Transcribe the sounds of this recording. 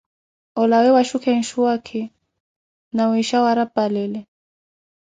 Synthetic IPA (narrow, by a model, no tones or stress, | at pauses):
ɔlawɛwaʃukɛn̩ʃuakʰi | nawiʃawaɾapalɛlɛ